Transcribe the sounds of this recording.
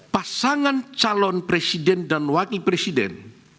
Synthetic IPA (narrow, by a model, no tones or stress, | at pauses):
pasaŋant͡ʃalɔnpɾesidɛndanwakipɾesidɛ̰n